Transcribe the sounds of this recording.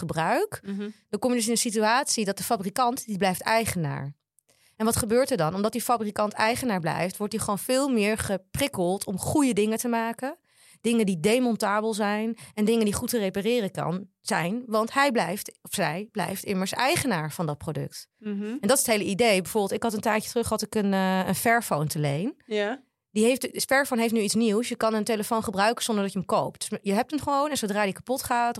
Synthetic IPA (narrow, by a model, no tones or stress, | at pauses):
χəbrœɥkdɑkɔmjədɵsɪnənsityaːtsidɑt̚dəfabrikɑntdiblɛjftɛjχəna̰ːɹ | ʔɛnʋɑtχəbøːɹtəɹdɑnɔmdɑt̚difabrikɑntɛjχənaːɹblɛ̰jftʋɔɹtiχəʋownvɪːlˠmɪːɹχəprɪkəlˠtʰɔmχujədɪŋətəmaːkən | d̥ɪŋəndidejmɔntaːbəlˠzɛjnɛndɪŋəndiχutərejparɪːrəkɑ̰n | z̥ɛjnʋɑntɦɛjblɛjftɔfsɛjblɛ̰jftɪməɹsɛjχənaːɹvɑndɑt̚prodɵ̰k̚tɛndɑtɪsətɦejləidejbɛjvʊɹbɪlˠtɪkɦɑtəntɛjtcətrɵχɦɑtɪkənəə̰nfɛɹfowntəlejn | diɦejftfɛɹfownɦejftnyitsniwsjəkɑnənteləfownχəbrœɥkəzɔndəɹdɑtjəəmkowp̚td̥sjəɦɛp̚tənχəʋownɛnzowdraːdikapɔtχaːt